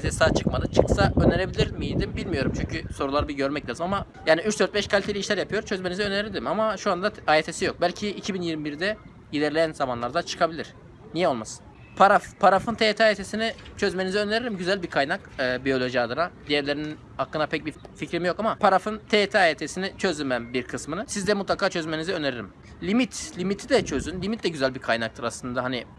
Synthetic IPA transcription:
at̪ʰesisaːt͡ʃʰɯkmad̪ɯt͡ʃʰɯksaʔøneɾebilʲiɾmijid̪imbilʲmijo̞ɾumt͡ʃʰyɲcʰyso̞ɾulˠaɾɯbiɟø̞ɾmɛclʲaːzɯmamajaːniyt͡ʃd̪øɾt̪̚bɛʃkʰalʲit̪ʰelʲiʃlʲæɾjapʰɯjo̞ɾt͡ʃʰø̞zmenizɛøneɾʲild̪ʲimamaʃuand̪aaːɾet̪ʰe̞sijo̞k̚bælʲcʰiːcʰibinjiɾmibiɾd̪ɛ | jid̪ʲɛɾlʲejænzamanlˠaɾd̪at͡ʃʰɯ̥kʰabilʲiɾ̥ | nijɛolˠmasɯ̥n | pʰaɾafpʰaɾafɯnt̪ʰeːt̪ʰɛaːjɾet̪ʰe̞sinit͡ʃʰø̞zme̞nizɛøneɾiɾimɟyzælʲbiɾkʰajnakːbijo̞lʲo̞ʒiad̪ˠɯɾad̪ijɛɾlʲe̞ɾinin | hakːɯnapʰɛc̚bificɾimijo̞kamapʰaɾafɯnt̪ʰet̪ʰɛaːjet̪ʰesinit͡ʃʰø̞zʲymænbiɾkʰɯsmɯnɯsizd̪ɛmut̪lˠakʰaːt͡ʃʰø̞zme̞nizɛøneɾiɾim | lʲimit̪ʰlʲimit̪ʰid̪ɛt͡ʃʰø̞zynlʲimit̪̚d̪ɛɟyzælʲbiɾkʰajnak̚t̪ʰɯɾaslˠɯnd̪aɦani

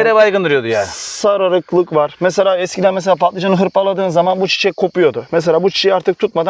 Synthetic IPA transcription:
eɾɛbajɡɯnd̪ɯɾɯjo̞d̪ujasaɾaɾɯklˠɯkvaɾmɛselʲaːɛskʲcʰid̪ænmɛs̬elʲaːpʰat̪lˠɯd͡ʒanɯɦɯɾpalˠad̪ɯːnzamanbut͡ʃʰi̥t͡ʃʰɛkʰo̞pujo̞d̪ʊmɛs̬elʲaːbut͡ʃʰi̥ʃʰɛjiaɾt̪ʰɯk̚t̪ʰut̪̚mad̪a

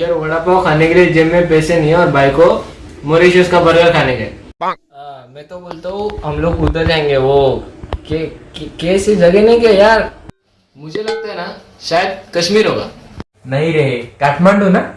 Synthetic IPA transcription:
jəɾʋɐɽapakʰaːnekeled͡ʒemːẽpɛːsenĩẽɔːɾbaːikomoɾiːʃʊskabɐɾɡəɾkʰaːnekee | mɛ̃t̪oboːlt̪aũɦɐmloːɡʊd̪əɾd͡ʒaːẽŋ̆ɡeʋokekkeːsed͡ʒɐɡenɐɦĩkejaːɾ | mʊd͡ʒʱelɐɡ̚t̪aɦɛna | ʃaːjəd̪̚kɐʃmiːɾɦoːɡa̰ː | nɐɦĩɾɐɦekaːʈʰmaːɳɖona

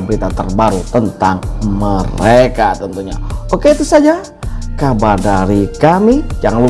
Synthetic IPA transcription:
bəɾit̪at̪ərbaɾut̪ənt̪aŋməɾekat̪ənt̪uɲa̰okeit̪usad͡ʒa | kabardaɾikamijaŋlu

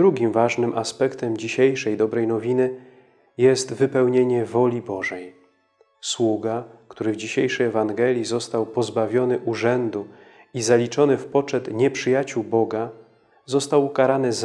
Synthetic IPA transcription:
ɾuɡʲimvaʐnɘmʔaspɛkt̪ɛmd͡ʑiɕejʂɛjd̪ɔbɾɛjnɔvʲinɘ | jɛst̪vɘpɛwɲeɲɛvɔlʲibɔʐɛj | swuɡakt̪uɾɘvd͡ʑiɕejʂɛjɛvaŋɡɛlʲjizɔst̪awpɔzbavʲjɔnɘʔuʐɛnd̪u | izalʲit͡ʂɔnɘfpɔt͡ʂɛt̪ɲɛpʂɘjat͡ɕuwbɔɡa | zɔst̪awkaɾanɘz

